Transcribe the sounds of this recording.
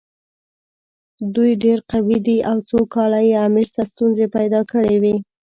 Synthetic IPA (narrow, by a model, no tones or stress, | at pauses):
d̪ujɖeɾqawid̪iʔawt͡sokɑlajeamiɾt̪ast̪unzepajd̪ɑkəɽewi